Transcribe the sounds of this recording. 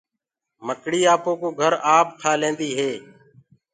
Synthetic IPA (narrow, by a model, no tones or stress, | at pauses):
məkɽiːaːpoːkoːɡʱəɾaːp̚kʰaːlẽːnd̪iːɦeː